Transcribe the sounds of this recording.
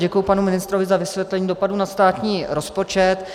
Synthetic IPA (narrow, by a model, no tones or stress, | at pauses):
ɟɛkujupanumɪnɪst̪ɾo̞vɪzavɪsvʲjɛt̪lɛɲiːdo̞paduːnast̪aːt̪ɲiːɾo̞spo̞t͡ʃɛt̪